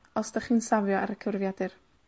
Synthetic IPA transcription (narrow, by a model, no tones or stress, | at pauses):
ɔsdaχiːnsavjɔaɾəkʰəvrvjadɨr